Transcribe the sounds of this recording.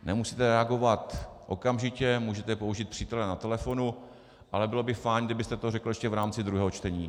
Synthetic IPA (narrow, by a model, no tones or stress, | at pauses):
nɛmusi̥ːt̪ɛɾɛaɡo̞vat̪ʔo̞̰kamʒɪcɛmuːʒɛt̪ɛpouʒiːt̪̚pr̥iːt̪ɛlɛnat̪ɛlɛfo̞nu | ʔalɛbɪlobɪfajɲɡdɪbɪst̪ɛt̪orɛkl̩ɛʃcɛvɾaːmt͡sɪd̪ɾuɦɛːɦot͡ʃt̪ɛɲiː